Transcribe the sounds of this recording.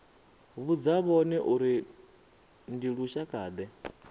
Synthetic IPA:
βud͡zaβɔnɛʔuɾi | ndiɺuʃakʼaːd̪ɛ

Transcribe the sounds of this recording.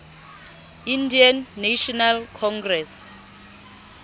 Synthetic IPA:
indianːaʃɔnalkʰɔŋɡrɛs

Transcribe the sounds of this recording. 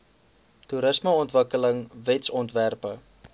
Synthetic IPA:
tuɾəsməɔntvəkələŋvɛtsɔntværpə

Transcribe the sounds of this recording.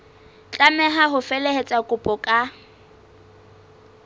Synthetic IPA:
t͡ɬʼamɛɦaɦʊfɛlɛɦet͡sʼakʼʊpʼɔkʼa

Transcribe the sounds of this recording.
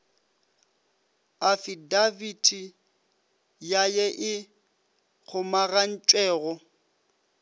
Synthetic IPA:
afidavitʰi | jajɛʔɪ | k͡xʰʊmaɣan̩t͡ʃʼwɛːɣɔ

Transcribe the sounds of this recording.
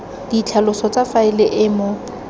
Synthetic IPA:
d̥it͡ɬʰalʊsɔt͡sʼafaɪlɪʔɪːmo

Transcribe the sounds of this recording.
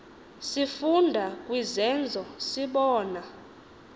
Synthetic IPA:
sifundʱakʼwizɛnd͡zʱɔsiɓɔːna

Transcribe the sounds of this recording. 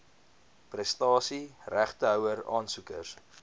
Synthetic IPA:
prɛstɑːsiræχtəɦœwəɾɑːnsukə̰rs

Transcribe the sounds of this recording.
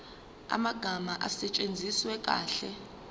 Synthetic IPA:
a̰maɡ̥ʱamaʔasɛt͡ʃʼend͡zʱiswɛkʼa̰ːɬɛ

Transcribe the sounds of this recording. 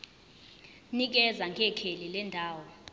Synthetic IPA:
nik̬ɛzaŋɡʱɛkʰelilɛndʱaːwɔ

